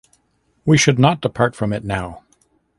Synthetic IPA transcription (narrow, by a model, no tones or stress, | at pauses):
wiʃɨdⁿnət̚d̥əpʰɑɹtfɹʌ̃mɨtⁿnaʊ